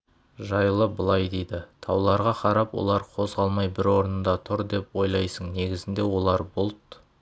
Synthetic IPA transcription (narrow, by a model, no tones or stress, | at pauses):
ʒɑjlˠəbəlˠɑjd̪e̞jd̪ɪt̪ʰɑwlˠɑɾʁɑqʰɑɾɑpwo̰lˠɑɾqʰo̞zʁɑlˠmɑjbɪɾwo̞ɾənənd̪ɑt̪ʰʊɾd̪e̞pwo̞jlˠɑjsəɴne̞ɡʲɪzɪnd̪e̞wo̞lˠɑɾbʊlˠt̪